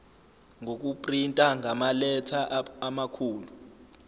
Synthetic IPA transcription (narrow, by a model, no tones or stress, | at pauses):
ŋok̬upʼrintʼaŋʱamalɛtʰaːmakʰuːlu